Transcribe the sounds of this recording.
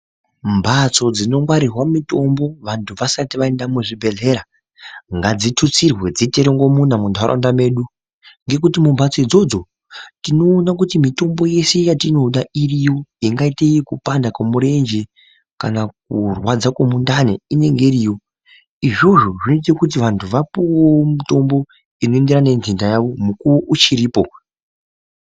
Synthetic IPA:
mbat͡so̞d͡zino̞ŋɡwaɾirwamito̞mbo̞ʋantʰuʋasatiʋaendamuʐibʱe̞ɮe̞ɾa | ŋɡad͡zitʰut͡sirwe̞d͡ziteɾoŋɡomunamundʱaɾo̰ndame̞ːɗu | ŋɡe̞k̬utimumbat͡so̞id͡zo̞d͡zo̞ | tino̞ːnak̬utimito̞mbo̞je̞se̞jatino̞ɗairijo̞iŋɡaiteikupandakwamuɾe̞nd͡ʒe | kanak̚urwad͡zakamundanḛine̞ŋɡeɾijo̞ | iʐo̞ʐo̞ʐinoit̬ekut̬iʋantʰuʋapuwomito̞mbo̞ | ino̞endeɾane̞nzindajaʋo̞mukuoʔut͡ʃiɾiːpo̞

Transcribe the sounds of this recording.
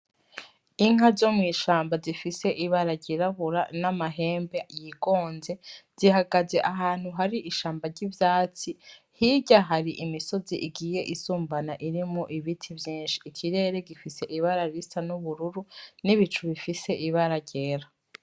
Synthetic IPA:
iŋ̥azo̞mŋiːʃaːmbazifise̞ʔiβaɾaɟeɾaβuɾanamaɦe̞ːmbejiɡo̞ːnze̞z̥iɦaɡaze̞ʔaɦaːn̥huɦaɾiʔiʃaːmbaɾɟivjaːt͡si | hiɟaɦaɾiʔimiso̞ziʔiɡiːje̞ʔisuːmbanaʔiɾimuʔiβitʰivjiːnʃi̥ːkʰiɾe̞ːɾe̞ɡifise̞ʔiβaɾaɾistanuβuɾuɾuniβit͡ʃuβifise̞ʔiβaɾaɟeːɾa

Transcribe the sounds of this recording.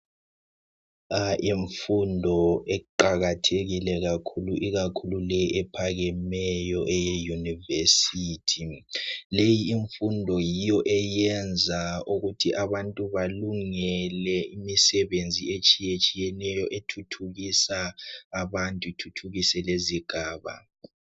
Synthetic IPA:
aʔiɱfundʱɔɛǃaɣatʰeɣilɛɣakʰuluʔiɣakʰululɛjʔɛpʰaɣɛmɛjɔʔɛjɛjunivesitʰilejiːɱfundʱɔjijɔʔɛjɛnd͡zʱauɣutʰiʔaβantʼuβaluŋɛlɛimisɛβend͡zʱiet͡ʃʼijet͡ʃʼijɛnɛjɔʔetʰutʰuɣisaːβantʼutʰutʰuɣisɛleziɡ̥ʱaːβa̰

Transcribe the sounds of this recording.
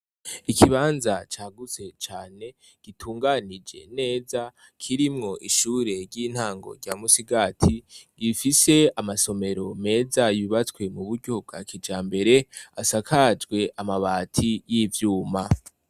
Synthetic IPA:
ikʰiβaːnzat͡ʃaːɡut͡se̞t͡ʃaːne̞ | ɡ̥itʰuːŋɡanid͡ʒe̞̰ne̞ːza | kʰiɾimŋo̞ʔiʃuɾe̞ɾɟiːn̥haːŋɡo̞̰ɾɟaːmusiɡatʰiɡifise̞amaso̞me̞ɾo̞me̞ːzajiβat͡skwe̞muβuɾɟob̚ɡakid͡ʒaːmbe̞ɾe̞asakʰad͡ʒɡwe̞ʔamaβaːtʰijivjuːma

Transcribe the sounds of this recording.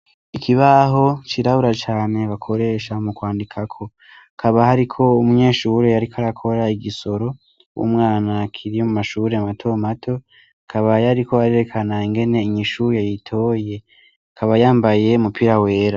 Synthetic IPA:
ikʰiβaɦo̞t͡ʃiɾaβuɾat͡ʃaːne̞βakʰo̞ɾe̞ʃamukwaːndikʰakʰo̞ | kʰaβahaɾikʰo̞umuɲe̞ːʃuɾe̞jaɾikʰaɾakʰo̞ɾaiɡiso̞ɾo̞ | wṵmŋaːnakʰiɾijo̞mumaʃuːɾeamatʰo̞matʰo̞ | akʰaβajaɾiko̞aɾeɾekʰanaiŋɡe̞ne̞iɲiʃujajitʰo̞ːje̞ | kʰaβajaːmbaje̞umupʰiɾawe̞ːɾa

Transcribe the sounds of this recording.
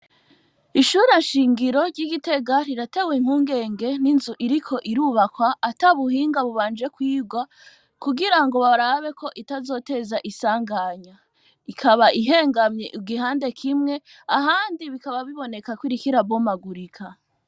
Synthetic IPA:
iʃuːɾenʃiːŋɡiɾo̞ɾɟiɡite̞ɡaɾiɾate̞weim̥huːŋɡe̞ːŋɡe̞ninzuʔiɾikʰo̞ʔiɾuːβakwaːtaβuɦiːŋɡaβuβaːnd͡ʒe̞kwiːɡwa | kuɡiɾaŋɡo̞βaɾaβe̞kʰo̞ʔitazo̞ːte̞zaʔisaːŋɡaɲa | ikʰaβaʔiɦe̞ːŋɡamɲeʔiɡiɦaːnde̞kʰimŋe̞ | aɦaːndiβikaβaβiβo̞ne̞kakwiɾikiɾabo̞maɡuɾikʰa

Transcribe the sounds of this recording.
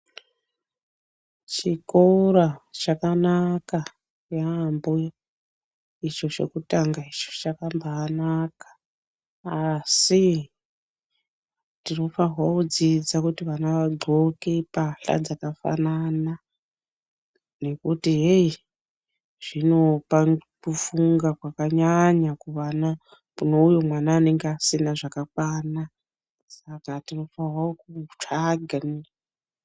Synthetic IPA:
t͡ʃikorat͡ʃakanaka | jambo | it͡ʃo̞t͡ʃe̞̰kutaŋɡait͡ʃo̥t͡ʃakambaːnakḁ | asi | tino̞faɦwaud͡zid͡zakutiʋanaʋaɡ͡ǃʱokepaɬa̰d͡zakafa̰nana | ne̞kutiɦe | ʐ̥ino̞pakufuŋɡakwakaɲaɲakuʋana | muno̞ujomwanaːne̞ŋɡeasinaʐakakwaːna | sakatino̞farwaokut͡ʂaɡʱani

